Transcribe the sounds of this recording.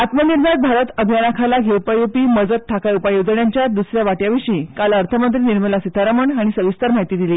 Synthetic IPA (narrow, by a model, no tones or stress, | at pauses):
at̪məniɾd̪ʱat̪̚bʱaɾət̪əbʱijanakʰalaɡʱewpajopiːməd͡zət̪ʰːakajupajod͡zəɳjaɲt͡ɕjad̪usɾjaʋaʈjaʋiɕiːkalaəɾt̪ʰəmənt̪ɾiːniɾməlasit̪ʰaɾaməɳaɽ̃isəʋist̪aɾm̤aɦit̪iːd̪iliː